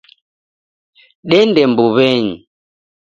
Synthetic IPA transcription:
ɗɛndɛmbuβɛɲi

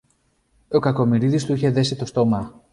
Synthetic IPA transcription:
o̞kɐko̞miɾiðist̪uiçe̞ðe̞sit̪o̞st̪o̞mɐ

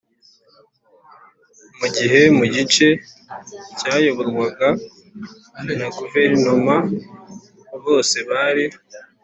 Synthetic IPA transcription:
muɟiɦe̞muɟit͡ʃe̞ | caːjoβoɾwaɡa | naɡuve̞ɾinoma | βo̞ːse̞βaɾi

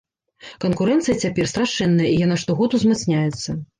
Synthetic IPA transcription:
kɐnkuɾɛnt̪sɨjɐt͡sʲapʲɛrst̪ɾaʂɛnːɐjɐijanaʂt̪ɔɣɔt̪uzmat̪snʲajɛt̪sːɐ

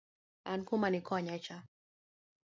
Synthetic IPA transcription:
ankumanikʰɔɲat͡ʃa

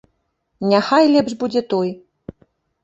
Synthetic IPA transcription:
nʲaxajlʲɛpʐbud͡zʲɛt̪ɔj

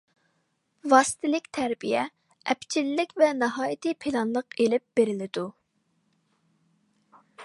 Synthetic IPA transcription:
vɑːsɨ̥t̪ʰɪlɪkʲt̪ʰæɾbijɛ | ɛpt͡ʃʰilːɪkʲvɛnɑɦɑːjit̪ʰɪpʰɪlɑnlˠəqelɪp̚b̥eɾɪlɪd̪u

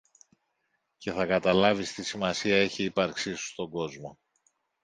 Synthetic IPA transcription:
ce̞θɐkɐt̪ɐlɐvist̪isimɐsiɐe̞çiipɐɾksisu̥st̪o̞ɡo̞zmo̞

